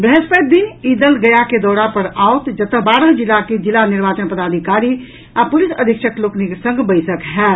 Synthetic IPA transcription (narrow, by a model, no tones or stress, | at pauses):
bɾeɦespəd̪inid̪əlɡəjaked̪ɔɾapəɾaut̪d͡ʒət̪əɦbaɾəɦd͡ʒilːaked͡ʒilːaniɾbat͡ʃənpəd̪ad̪ʱikaɾi | apulisəd̪ʱikʃʰəklokniksə̃ŋɡʱbəɪsəkɦɛ